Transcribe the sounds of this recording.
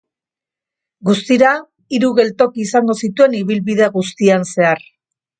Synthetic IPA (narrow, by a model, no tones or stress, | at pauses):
ɡust̪iɾa | iɾuɣe̞lt̪o̞kiːsaŋɡo̞sit̪ue̞niβilβiðeɣust̪ianse̞aɾ